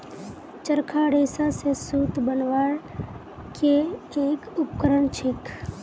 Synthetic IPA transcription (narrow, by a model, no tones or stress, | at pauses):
t͡ʃəɾkʰaɽeːsasesuːt̪bənʋaːɾ | ke | eːkʊpkəɾəɳt͡ʃʰɪk